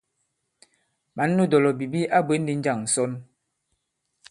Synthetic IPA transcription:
ma˨˦nː˦u˦dɔ˨lɔ˨bi˨bi˦ʔa˦bwe˨˦n˦di˨˦n̩˦d͡ʒa˦˨ŋn̩˨sɔ˦n

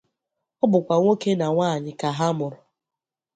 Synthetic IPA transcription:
ɔ˦bʊ˨kʷa˨ŋʷo˦ke˦na˨ŋʷaː˦˨ɲɪ˨ka˨ɦa˦mʊ˨ɾʊ˨

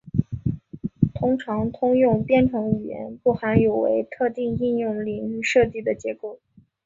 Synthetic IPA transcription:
t̪ʰʊ˥ŋʈ͡ʂʰɑ˧˥ŋt̪ʰʊ˥ŋjʊ˥˧ŋpjɛ˥˩nʈ͡ʂʰɤ˧˥ŋy˨˩jɛ̰˧˥npu˥˩xa˧˥njo˨˩ʊwḛ˧˥ɪt̪ʰɤ˥˧t̪i˥˧ŋi˥˧njʊ˥˩ŋli˨˩ŋy˥˧ʂɤ˥˧t͡ɕi˥˩d̪ə˩t͡ɕjɛ˧˥ko˥˩ʊ

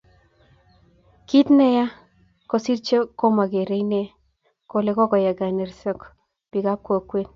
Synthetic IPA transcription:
ki˦t̪nɛ˦ja˦ | ko˨si˦ɾt͡ʃo˦ko˦ma˨ɡe˨ɾe˦ine˦ | ko˨le˦kɔ˦kɔ˨ja˨ɡa˨ne˨rsɔ˦k | pi˨ɡa˦p̚ko˨kwe˦

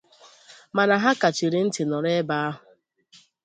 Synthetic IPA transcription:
ma˨na˨ɦa˦ka˨t͡ʃi˨ɾɪ˦n̩˦tɪ˨nɔ˨ɾe˦ba˦a˦ɦʊ˨

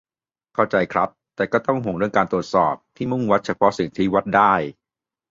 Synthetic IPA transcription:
kʰa˥˩wt͡ɕa˧jkʰɾa˦˥p̚t̪ɛː˨˩kɔː˥˩t̪ɔ˥˩ŋɦo˨˩˦ɾɯ˥˩əŋkaː˧nt̪ɾə˩t̪̚sɔː˨˩p̚t̪ʰiː˥˩mu˥˩ŋwa˦˥t̪̚t͡ɕʰa˧pʰɔ˦˥si˨˩ŋt̪ʰiː˦˥˩wa˦˥t̪̚daː˥˩j

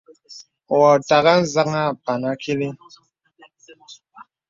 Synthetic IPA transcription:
wɔ˨ta˨ɣa˦n̩˦˨za˦ŋa˦˨pa˨na˦kʰi˦li˦

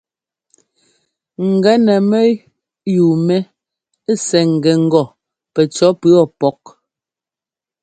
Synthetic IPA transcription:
ŋ̩˨ɡɛ˨˦nɛ˨mɛ˦ | ju˨mɛ˦ | sɛ˨ŋ̩˨ɡɛ˨ŋ̩˦ɡɔ˨ | pɛ˨t͡ʃɔ˨˦pʉ˦ɔ˦˨pɔ˦k̚

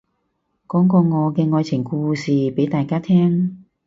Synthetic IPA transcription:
kɔː˨˥ŋkɔː˧ŋɔː˨˧kɛː˧ŋɔː˧jt͡sʰɪ˨˩ŋkuː˧siː˨˩pe˨˥jt̪aː˨˩jkaː˥t̪ʰɛː˥ŋ

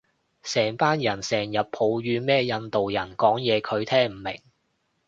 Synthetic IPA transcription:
sɛː˨˩ŋpaː˥njɐ˨˩nsɛː˨˩ŋjɐ˨p̚pʰo˨˧wɥyː˨˧mɛː˥jɐ˧nt̪o˨wjɐ˨˩nkɔː˨˥ŋjɛː˨˧kʰɵ˨˧ɥt̪ʰɛː˥ŋm̩˨˩mɪ˨˩ŋ

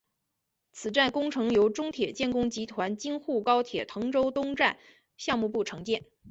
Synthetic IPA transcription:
t͡sʰɹ̩˨˩ʈ͡ʂa˥˩nkʊ˥ŋʈ͡ʂʰɤ˧˥ŋjo˧˥ʊʈ͡ʂʊ˥ŋt̪ʰjɛ˨˩t͡ɕjɛ˥˩nkʊ˥ŋt͡ɕi˧˥t̪ʰwa˧˥nt͡ɕi˥ŋxu˥˩kɑ˥ʊt̪ʰjɛ˨˩t̪ʰɤ˧˥ŋʈ͡ʂo˥ʊt̪ʊ˥ŋʈ͡ʂa˥˩n | ɕjɑ˥˧ŋmu˥˧pu˥˩ʈ͡ʂʰɤ˧˥ŋt͡ɕjɛ˥˩n

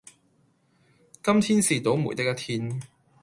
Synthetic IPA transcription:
kɐ˥mt̪ʰiː˥nsiː˨t̪o˨˥wmṵː˨˩jt̪ɪ˥k̚ːɐ˧˥t̪ʰiː˥n

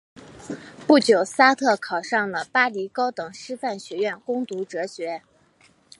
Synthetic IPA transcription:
pu˥˩t͡ɕjo˨˩ʊsa˥t̪ʰɤ˥˩kʰɑ˨˩ʊʂɑ˥˩ŋlə˩pa˥li˧˥kɑ˥ʊt̪ɤ˨˩ŋʂɻ̩˥fa˥˩nɕɥɛ˧˥ɥɛ˥˩nkʊ˥ŋt̪u˧˥ʈ͡ʂɤ˧˥ɕɥɛ˧˥

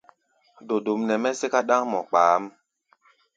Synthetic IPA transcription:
do˨do˨mnɛ˨mɛ˦se˦ka˦ɗã˦ŋmɔ̰˨k͡paː˨˦m

